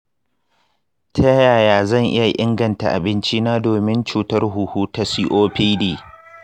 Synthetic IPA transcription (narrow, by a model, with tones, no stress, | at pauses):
tʰɐ˦jaː˨jaː˨zɐ˦˨ŋʔɪ˦ja˨ʔɪ˦ŋɡɐ˨nta˨ʔa˨bɪ˦nt͡ʃi˦naː˦doː˨mɪ˦nt͡ʃuː˦tɐ˦rɦu˨huː˦ta˦si˦ʔoː˦ɸi˦diː˨